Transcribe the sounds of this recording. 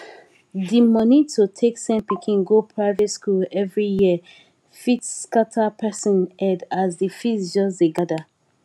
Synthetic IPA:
dimɔnitʰutʰeksɛ̃npikʰĩnɡopʰɹaɪvɛtskulɛvɹijiə | fitskatʰapʰɛsɔ̃nɛdazdifitsd͡ʒɔs̬deɡada

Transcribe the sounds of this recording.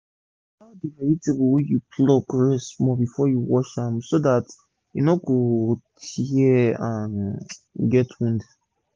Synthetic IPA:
abimɛɹitebwɛjupʰlokɹɛsmɔbifɔjuwɔʃãmsodat | junɔɡotʰiɛãn | ɡɛtwũnd

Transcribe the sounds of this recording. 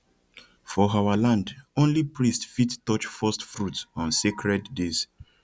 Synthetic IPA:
fɔawalãndõnlipɹistfittɔt͡ʃfɔstfɹutsɔ̃nsekɹɛdːes

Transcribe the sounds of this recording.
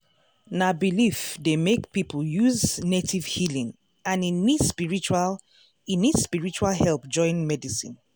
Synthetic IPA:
nabilifdemekpipʰl̩juznetʰivhilĩŋ | ãninispiɹit͡ʃal | inispiɹit͡ʃualhɛlp̚d͡ʒɔ̃ɪ̃nmɛdisḭ̃n

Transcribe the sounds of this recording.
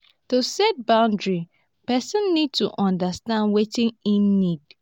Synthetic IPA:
tusɛt̚bãʊ̃ndɹi | pɛsə̃nːid̚tuʔɔ̃ndastãndwetɪ̃ŋinːid

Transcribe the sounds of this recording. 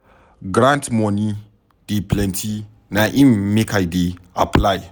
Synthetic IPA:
ɡɾãntmɔni | d̥eplɛ̃ntʰi | naʔĩmmekʰajdeaplaj

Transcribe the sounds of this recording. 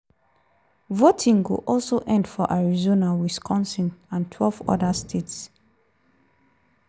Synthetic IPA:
votʰĩŋɡṵʔɔlsoʔɛ̃ndfɔʔaɹizonawiskʰɔ̃nsĩnãntʰwɛlvɔ̰dastʰets

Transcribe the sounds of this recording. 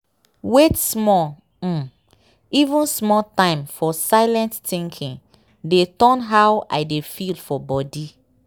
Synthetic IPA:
wetsmɔ̃ | ivũnsmɔtãɪ̃mfɔsaɪlɛ̃nttĩŋkʰĩn | detɔ̃nɦawʔa̰ɪdefilfɔbɔdi

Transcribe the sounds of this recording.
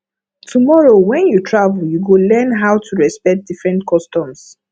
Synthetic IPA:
tʰumɔɹowɛ̃njutʰɹavljuɡolɛ̃nɦawtʰuɹɛspɛk̚t̚d̥ifɹɛ̃ntkʰɔstɔ̃ms

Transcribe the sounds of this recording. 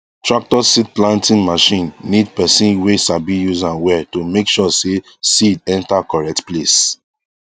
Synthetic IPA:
tɹak̚tɔsid̚plãntĩnmaʃĩnːidpɛsĩnwesabijuzãnwɛtumekʃɔse | sidɛ̃ntakɔɹɛk̚tples

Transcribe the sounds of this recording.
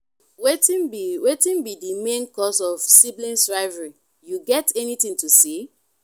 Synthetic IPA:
wetĩnbiwetĩnbidimẽnkɔsɔv̥siblĩnsɹaɪvəɹi | juɡɛtɛnitĩŋtusi

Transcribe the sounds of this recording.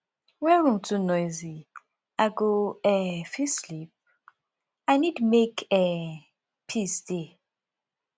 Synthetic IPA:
wɛ̃ɹũmtʰunɔzi | aɡoɛfislip̚ | anidmekɛ | pʰisde

